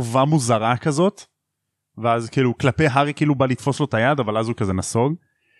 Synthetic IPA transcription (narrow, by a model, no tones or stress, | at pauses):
uvamuzaʁakazo̞t̪ | veazkiːluklape̞jɦaʁikiiːlubalit̪fo̞slo̞t̪ajad̪avalazukazenaso̞ɡ